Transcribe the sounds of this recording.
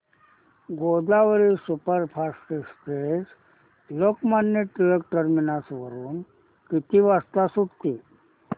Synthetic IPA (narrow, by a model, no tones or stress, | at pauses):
ɡod̪aʋəɾisupəɾpʰasisʈes | lokmanːeʈilək̚ʈəɾminasʋəɾuːn | kit̪iʋast̪asuʈt̪i